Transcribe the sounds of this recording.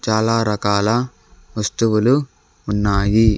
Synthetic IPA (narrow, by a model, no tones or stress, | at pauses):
t͡ʃaːlaːɾɐkaːlɐ | ʋɐst̪uʋulu | unːaːji